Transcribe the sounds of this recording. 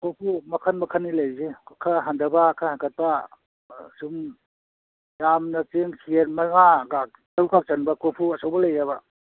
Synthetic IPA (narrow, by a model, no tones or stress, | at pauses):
kopʰumɐkʰanmɐkʰanːilajzekʰaɦandɐbakʰahakʰat̚pa | sum | jamnɐt͡ʃeŋkʰieɾmaŋaɡak | daɾukʰak̚t͡ʃanbakopʰuɐsawbɐlajaba